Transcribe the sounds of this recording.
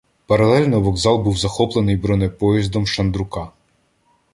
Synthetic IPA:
pɐɾɐlˠɛlʲnɔʋɔɡzɑlˠbuwzɐxɔplˠenɨjbɾɔnɛpɔjizd̪ɔmʃɐnd̪ɾʊkɑ

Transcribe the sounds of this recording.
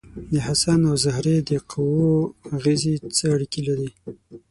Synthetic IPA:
d̪əhasanawzahɾed̪əqʰawoaɣezit͡səaɽikilaɾi

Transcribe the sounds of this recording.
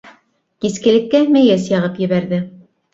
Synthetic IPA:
kiskɘ̆lɘ̆kːæmæjæsjɑʁɤpjɘ̆βæɾðɘ

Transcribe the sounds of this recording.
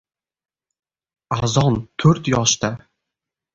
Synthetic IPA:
azɒnt̪ʰɵɾt̪jɒʃt̪a

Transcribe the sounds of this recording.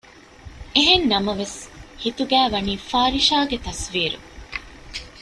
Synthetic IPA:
eɦennɐmɐʋeshit̪uɡæːʋɐniːfaːɾiʃaːɡet̪ɐsʋiːɾṵ

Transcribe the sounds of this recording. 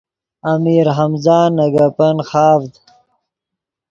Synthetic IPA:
ɐmiːɾɦɐmzaːnːɐɡɐpɐnxaːvd̪

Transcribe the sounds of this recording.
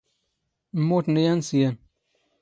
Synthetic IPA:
m̩motnəjansijan

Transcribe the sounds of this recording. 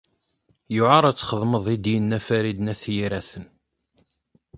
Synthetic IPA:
jʊʕɑɾˤæt͡sːχəðˤməðˤid̪jənːæfæɾid̪næθjiɾæθən

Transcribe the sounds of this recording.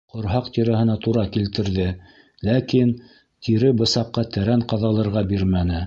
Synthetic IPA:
qŏɾɦɑqt̪iɾæɦɤ̆nɑt̪uɾɑkilt̪ɘ̆ɾðɘ | lækin | t̪ʰiɾɘbɤ̆sɑqːɑt̪æɾæɴqɑðɑlˠɤ̆ɾʁɑbiɾmænɘ

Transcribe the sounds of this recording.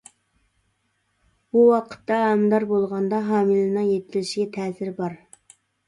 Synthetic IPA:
b̥uwɑqʰə̥t̪ːɑɛmd̪ɑɾbolˠʁɑnd̪ɑɦɑːmɨlɨnɨŋjet̪̚ɪlɪʃiɡʲɛt̪ʰɛːsɪɾbɑɾ

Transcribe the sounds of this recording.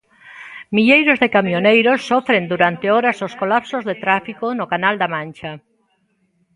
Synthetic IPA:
miʎejɾozðekamjonejɾosːɔfɾend̪uɾant̪eɔɾasoskolapsozðet̪ɾafikonʊkanald̪amãnʲt͡ʃɐ

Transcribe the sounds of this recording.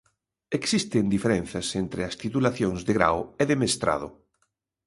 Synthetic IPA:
eksist̪end̪ifeɾɛ̃n̟θɐsent̪ɾeɐst̪it̪ulaθjõŋzðɪɣɾa̰weðemest̪ɾa̰ð̞ʊ̰

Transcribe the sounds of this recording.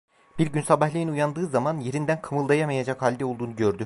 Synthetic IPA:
b̥iɾɟynsabahlʲˠijinujand̪ɯːzamanje̞ɾind̪ænkʰɯmɯlˠd̪ajamajad͡ʒakhalʲd̪ɛo̞lˠd̪uːnuɟøɾd̪y

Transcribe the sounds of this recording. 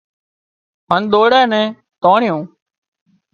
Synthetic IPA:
mənɗ̪oːɽɛːnɛ̃ː | t̪oːɳɪjõː

